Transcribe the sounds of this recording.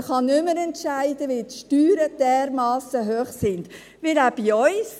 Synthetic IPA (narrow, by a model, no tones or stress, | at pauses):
χɑnʏməɾɛntʃæɪdəʋitʃtyːɾəd̥ɛːɾmɑːsəɦøːχsɪnd̥̪ | ʋɪɾaːb̥iɔʏs